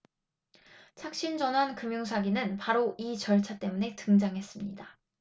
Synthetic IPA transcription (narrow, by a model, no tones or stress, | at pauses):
t͡ɕʰak̚ɕ͈ind͡ʑʌnɦankɯmjuŋs̬ʰaɡinɯnpaɾoʔit͡ɕʌɭt͡ɕʰat͈e̞mune̞tɯŋd͡ʑaŋɦe̞s͈ɯmɲida